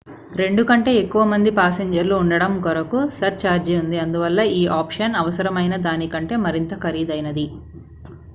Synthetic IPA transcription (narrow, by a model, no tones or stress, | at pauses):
ɾe̞ɳɖukɐɳʈe̞ːekːuʋɐmɐnd̪ipaːseɲd͡ʒɐɾluːɳɖɐɽɐmɡɔɾɐkusɐɾt͡ʃaːɾd͡ʒeːund̪iɐnd̪uʋɐlːɐiːʔaːpʂɐnɐʋɐsɐɾɐmɐjnɐd̪aːnikɐɳʈe̞ːmɐɾint̪ɐkʰɐɾiːd̪ɐjnɐd̪i